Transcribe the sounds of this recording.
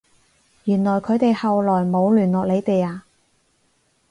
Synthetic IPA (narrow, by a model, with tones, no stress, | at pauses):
jyː˨˩nlɔː˨˩jkʰɵ˨˧t̪e˨jhɐ˨wlɔː˨˩jmo˨˧wlyː˨˩nlɔː˨k̚le˨˧jt̪e˨jaː˧